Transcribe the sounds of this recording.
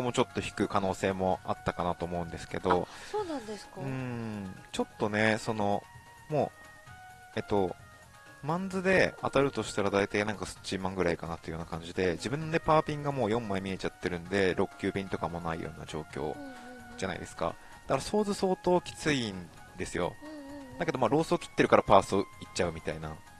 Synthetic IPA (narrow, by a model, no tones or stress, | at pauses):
komo̞t͡ɕo̞t̪ːoçi̥kɯ̟kano̞ːse̞ːmo̞at̪ːakanat̪o̞ːmo̞ɯ̟̃nd̪e̞sɨ̥ke̞̰d̪o̞soːnãnd̪eskɯ̟̃ɴt͡ɕo̞t̪ːo̞ne̞so̞no̞ | mo̞ː | e̞t̪ːo̞ | mãnd͡zɨd̪e̞at̪aɾɯ̟t̪o̞ɕi̥t̪aɾad̪ait̪ainãŋkasɨ̥t͡ɕːimãŋɡɯ̟ɾaikanat̪ːejonakãɲ̟d͡ʑid̪e̞d͡ʑibɯ̟̃nːone̞paːpʲĩŋɡamo̞ːjõ̞mːãmʲie̞t͡ɕat̪ːe̞ɾɯ̟̃nd̪e̞ɾʔo̞kʲːɨːbʲẽnt̪o̞kamo̞naḭjo̞̰ːna̰d͡ʑo̞ːkʲo̞̰ː | d͡ʑana̰ḭd̪e̞sɨ̥ka̰ | d̪̥akaɾaso̞ːzɨso̞ːt̪o̞ːkʲi̥t͡sɨin | d̪e̞sɨjo̞̰d̪ake̞d̪o̞maːɾo̞ːsɨokʲʰi̥t̪ːe̞ɾɯ̟kaɾapaːsɨoit͡ɕːaɯ̟mʲit̪aina